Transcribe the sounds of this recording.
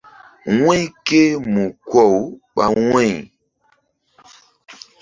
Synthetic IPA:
wwɛ̃˦ke˦mu˨kwɔ˦˨wɓa̰˦wwɛ̃˦˨

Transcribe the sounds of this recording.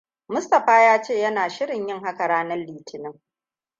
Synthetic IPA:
mʊ˦stɐ˨ɸaː˦jaː˦t͡ʃeː˦˨jɐ˦naː˨ʃɪ˦ɽɪ˨ɲjɪ˦ŋha˦ka˨ɽaː˦nɐ˦lːiː˨tʰɪ˨nɪ˦ŋ

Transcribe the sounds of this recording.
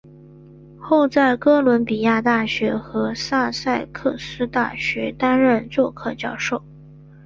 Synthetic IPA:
xo˥˧ʊt͡sa˥˩ɪkɤ˥lwə˧˥npi˨˩ja˥˧t̪a˥˩ɕɥɛ˧˥xɤ˧˥sa˥˧sa˥˧ɪkʰɤ˥˩sɹ̩˥t̪a̰˥˩ɕɥɛ˧˥t̪a˥nɻə˥˧nt͡swɔ˥˧kʰɤ˥˧t͡ɕjɑ˥˧ʊʂo˥˩ʊ

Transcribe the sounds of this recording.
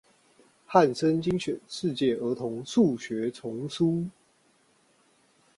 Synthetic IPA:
ha˥˨nsə˦nt͡ɕi˦ŋɕɥɛ˨˩nʂɻ̩˥˧t͡ɕjɛ˥˨˩ə˨˥t̪ʰʊ˨˧˦ŋʂu˥˨ɕɥɛ˨˧˥t͡sʰʊ˨˦ŋsu˦˥

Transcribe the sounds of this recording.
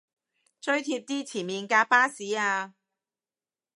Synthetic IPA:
t͡sɵ˥ɥt̪ʰiː˧p̚t̪iː˥t͡sʰiː˨˩nmiː˨nkaː˧k̚paː˥siː˨˥aː˧

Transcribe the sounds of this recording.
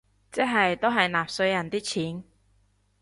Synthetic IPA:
t͡sɛː˥ɦɐ˨jt̪o˥ɦɐ˨jnaː˨p̚sɵ˧ɥjɐ˨˩nt̪iː˥t͡sʰiː˨˥n

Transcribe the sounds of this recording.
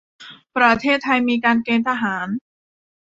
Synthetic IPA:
pɾa˧t̪ʰeː˥˩t̪ʰːa˧jmiː˧kaː˧nkeː˧nt̪ʰa˧ɦaː˩˦n

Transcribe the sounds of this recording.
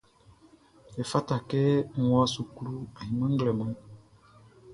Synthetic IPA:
ɛ˨fa˦ta˨kɛ˦˨wa˦su˨ku˦lu˦a˨hĩ˨mə̃˦ŋɡlɛ˨mə̃˨˦

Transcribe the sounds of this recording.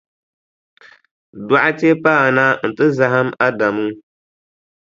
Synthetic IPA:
dwa˦ʔa˦te˦paː˦˨naː˦n̩˨tɨ˦za˨ɦa˦ma˦da˨mɨ˦

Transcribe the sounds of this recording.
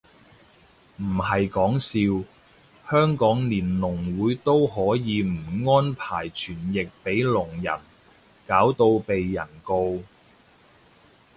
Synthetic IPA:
m̩˨˩hɐ˨jkɔː˨˥ŋsiː˧w | hœː˥ŋkɔː˨˥ŋliː˨˩nlʊ˨˩ŋwuː˨˥jt̪o˥whɔː˨˥jiː˨˧m̩˨˩ŋɔː˥npʰaː˨˩jt͡ʃʰyː˨˩njɪ˨k̚pe˨˥jlʊ˨˩ŋjɐ̰˨˩n | kaː˨˥wt̪o˧wpe˨jːɐ̰˨˩nko˧w

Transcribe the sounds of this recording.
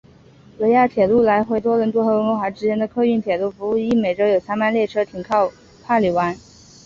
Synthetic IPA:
wɤ˧˥ja˥˩t̪ʰjɛ˨˩lu˥˩la˧˥ɪxwe˥˩ɪt̪wɔ˥ɻə˧˥nt̪wɔ˥xɤ˧˥wə˧˥nwo˧˥nxwa˧˥ʈ͡ʂɻ̩˥t͡ɕjɛ˥nd̪ə˨kʰɤ˥˧y˥˩nt̪ʰjɛ˨˩lu˥˩fu˧˥u˥˩i˥˩me˨˩ɪʈ͡ʂo˥ʊjo˨˩ʊsʰa˥ma˥˧nljɛ˥˩ʈ͡ʂʰɤ˥t̪ʰi˨˩ŋkʰɑ˥˧ʊ | pʰa˥˩li˨˩wa˧˥n

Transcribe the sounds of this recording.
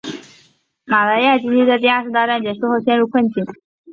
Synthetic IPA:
ma˨˩la˧˥ɪja˥˩t͡ɕi˥i˥t͡s̪ə˥˧t̪̬i˥˧a˞˥˧ʂɻ̩˧˥t̪ɑ˥˧ʈ͡ʂa˥˩nt͡ɕjɛ˨˩ʂu˥˧xo˥˧ʊɕjɛ˥˧nɻu˥˧kʰwə˥˩nt͡ɕi˨˩˦n

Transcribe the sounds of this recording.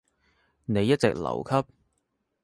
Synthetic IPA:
ne˨˧jːɐ˥t̚t͡sɪ̰˨k̚lɐ̰˨˩wkʰɐ˥p̚

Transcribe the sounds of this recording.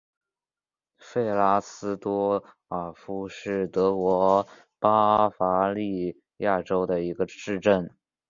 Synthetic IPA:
fe˥˩ɪla˥sɹ̩˥t̪wɔ˥ | ə˞˨˩fu˥ʂɻ̩˥˩t̪ɤ˧˥kwɔ˧˥ | pa˥fa˧˥li˥˧ | ja˥˩ʈ͡ʂo˥ʊd̪ə˨i˧˥ɡə˧ʂɻ̩˥˧ʈ͡ʂə˥˩n

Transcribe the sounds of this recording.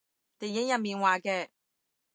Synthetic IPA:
t̪e˨˩jɪ˨˥ŋjɐ˨miː˨˩nwaː˨kɛː˧

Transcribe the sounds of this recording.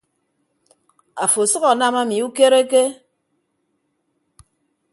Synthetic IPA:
a˨fo˨sɨ˦ɣa˨na˦ma˦mi˨u˦ke˦ɾe˦ke˦

